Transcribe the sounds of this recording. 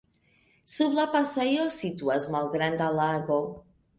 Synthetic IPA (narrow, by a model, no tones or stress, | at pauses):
sublapasajosit̪uazmalɣɾand̪alaɣo